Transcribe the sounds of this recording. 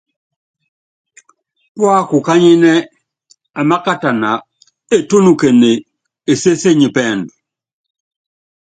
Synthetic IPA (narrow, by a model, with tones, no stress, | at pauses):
kwa˦ku˨ka˦ɲi˦nɛ˦ | a˨ma˦ka˦ta˨na˨ | e˦to˦nu˨ke˨ne˨ | e˨se˦se˦˨ɲi˨pɛː˦˨ndu˨